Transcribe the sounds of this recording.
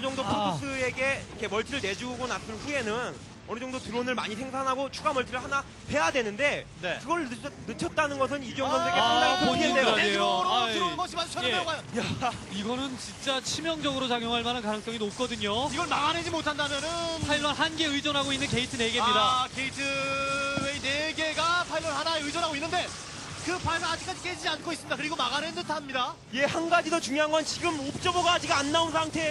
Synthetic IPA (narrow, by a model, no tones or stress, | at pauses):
ʌd͡ʑʌŋdopʰokʰos͈ɯe̞ɡe̞ikʰe̞mʌɭtʰiɾɯɭne̞d͡ʑuɡuɡonas͈ɯnɸue̞nɯn | ʌnɯd͡ʑʌŋdotɯɾonɯɭmaɲisʰe̞ŋsʰanɦaɡot͡ɕʰuɡamʌɭtʰɯɾɯɭhana | ɸe̞jadwe̞nɯnde̞ne̞kɯɡʌɭnɯt͡ɕʰʌt̚t͈anɯnɡʌs̬ʰɯnid͡ʑujʌŋɡʌnʰeɡeaapʰoeedejomʌɕʰimat͡ɕʰeajaiɡʌnɯnt͡ɕint͡ɕ͈at͡ɕʰimjʌŋd͡ʑʌɡɯɾot͡ɕaɡjoŋɦaɭmanɯnkanɯŋs͈ʌŋinop̚k͈ʌdɯɲoiɡʌmaɡanɯd͡ʑimotʰandamjʌnɯnpʰailːʌɭɦanɡe̞ɯid͡ʑʌnɦaɡoinːɯnke̞itʰɯne̞ɡemɲidake̞itʰɯ | weineɡe̞ɡapʰailːʌɭhanaeɯd͡ʑʌnɦaɡoinːɯnde̞ | kɯpʰaɭsaad͡ʑik͈ad͡ʑik͈ed͡ʑid͡ʑiankʰois͈ɯmɲidakɯɾiɡomaɡanɯndɯtʰaɦamɲida | je̞hanɡad͡ʑidot͡ɕuŋjoɦaŋɡwant͡ɕiɡɯmop̚t͡ɕ͈ʌboɡad͡ʑiɡaːnːaunsʰaŋtʰe̞